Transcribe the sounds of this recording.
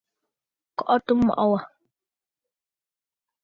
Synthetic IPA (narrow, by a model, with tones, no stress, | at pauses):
kɔ˦ʔɔ˦tu˦mːɔ̰˨ʔɔ˦wa˨